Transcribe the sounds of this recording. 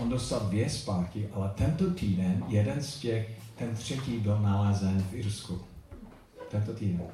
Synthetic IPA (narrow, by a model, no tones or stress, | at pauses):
ondost̪aldvjɛspaːt̪kɪʔalɛt̪ɛnt̪ot̪iːdɛnjɛdɛnscɛxt̪ɛnt̪r̥ɛciːbɪlnalɛːzɛnfɪɾsku | t̪ɛnt̪ot̪iːdɛn